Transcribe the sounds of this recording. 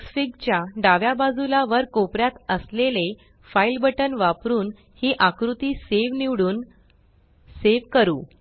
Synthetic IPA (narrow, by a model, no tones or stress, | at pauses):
sfiɡt͡ɕjaɖaʋjabad͡zulaʋəɾkopɾjat̪əslele | failbəʈənʋapɾuːn | hiːʔakɾut̪iːseʋniʋɽuːn | seʋkəɾuː